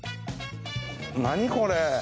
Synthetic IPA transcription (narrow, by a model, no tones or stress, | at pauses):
naɲ̟ikoɾe